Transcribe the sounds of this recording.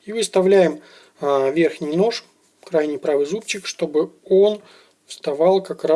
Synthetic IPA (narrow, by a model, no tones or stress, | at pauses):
ivɨst̪ɐvlʲæjɪm | əvʲe̞rxnʲɪjno̞ʂ | kɾajnʲɪjpɾavɨjzupt͡ɕːɪkʂt̪o̞bɨo̞n | fst̪ɐvɑlˠkɐkɾa